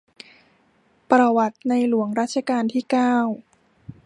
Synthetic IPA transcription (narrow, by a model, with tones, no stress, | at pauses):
pɾa˧wa˨˩t̪̚na˧jlu˨˩˦əŋɾaː˦˥t̪̚t͡ɕʰa˧kaː˧nt̪ʰiː˥˩kaː˥˩w